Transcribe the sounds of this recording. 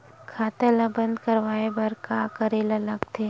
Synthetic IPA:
kʰaːt̪elɐ̃bɐ̃nd̪kəɾʋaːebɐɾkaːkəɾelɐləɡt̪ʰeː

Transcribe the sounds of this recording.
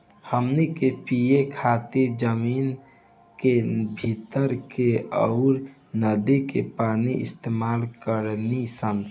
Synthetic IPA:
həmnikepijekʰat̪iɾd͡ʒəmiːn | kebʱit̪əɾkeɔʊɾ | nəd̪ikḛpaːniʔɪ̰st̪emaːlkəɾnisən

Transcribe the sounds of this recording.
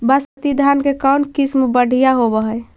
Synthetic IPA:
bəsət̪id̪ʱankekəwnkismbəɽ̤ʱijaɦobəɦəj

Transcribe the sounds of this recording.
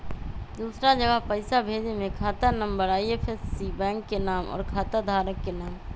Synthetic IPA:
d̪uːsɾad͡ʒəɡəɦpəɪsabʱeːd͡ʒemẽkʰaːt̪anə̃mbəɾaːiepʰesːibɛ̃ːŋkːenaːmɔ̰ːɾkʰaːt̪ad̪ʱaːɾəkːenaːm

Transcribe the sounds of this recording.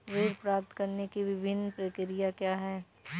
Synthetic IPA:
ʋeːɾpɾaːp̚t̪kɐɾnekiʋɪbʱɪnːpɾɐkɪɾijakjaːɦɛː

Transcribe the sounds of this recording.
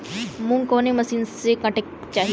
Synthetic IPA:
mũkoːnemɐsiːnsekɐʈek̚ | t͡ʃaːɦi

